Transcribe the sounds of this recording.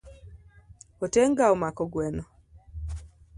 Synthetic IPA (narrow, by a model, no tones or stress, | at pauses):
ɔteŋɡaɔmakɔɡwɛnɔ